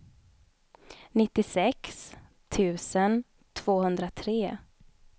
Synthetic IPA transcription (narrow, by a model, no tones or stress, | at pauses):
nɪt̪ːɪsɛks | t̪ʰʉ̟ːsən | t̪ʰv̥oːhɵnd̪ɾat̪ʰɾeː